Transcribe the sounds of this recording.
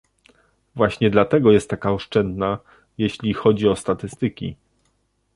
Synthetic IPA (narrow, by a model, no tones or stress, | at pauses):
vwaɕɲɛd̪lat̪ɛɡɔjɛst̪ːakaɔʂt͡ʂɛnd̪na | jeɕlʲixɔd͡ʑiɔst̪at̪ɘst̪ɘkʲḭ